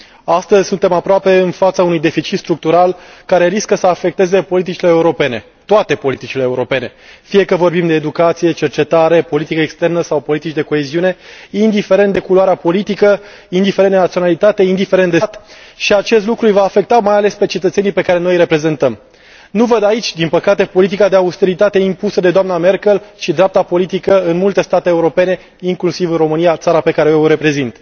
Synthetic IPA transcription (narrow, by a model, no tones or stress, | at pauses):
ast̪əzʲsunt̪e̞mapɾoape̞ɨnfat̪saunujd̪e̞fit͡ʃit̪st̪ɾuk̚t̪uɾalkaɾe̞ɾiskəsəafe̞k̚t̪e̞ze̞po̞lit̪̬it͡ʃile̞ːuɾo̞pe̞ne̞ | t̪oat̪e̞po̞lit̪it͡ʃileːuɾo̞pe̞ne̞fije̞kəvo̞rbimd̪e̞ːd̪ukat̪sije̞t͡ʃe̞rt͡ʃe̞t̪aɾe̞po̞lit̪ikəekst̪e̞rnəsawpo̞lit̪it͡ʃd̪e̞ko̞e̞ziune̞ind̪ife̞ɾe̞nt̪d̪e̞kuloaɾeapo̞lit̪ikə | ind̪ifeɾenenat̪sionalit̪at̪e̞ind̪ifeɾe̞nt̪d̪et̪ʃiat͡ʃe̞st̪lukɾujvaːfe̞k̚t̪amajale̞spe̞t͡ʃe̞t̪ət̪se̞nipe̞kaɾe̞no̞jɾe̞pɾe̞ze̞nt̪əm | nuvəd̪ait͡ʃʲd̪inpəkat̪e̞po̞lit̪̬ikad̪eaust̪e̞ɾit̪at̪e̞impusəd̪e̞d̪oamname̞rkelʃid̪ɾeap̚t̪apo̞lit̪̬ikəɨnmult̪e̞st̪at̪eːuɾo̞pe̞ne̞ | iŋklusivɨnro̞mɨnijat̪saɾape̞kaɾe̞eoɾe̞pɾe̞zint̪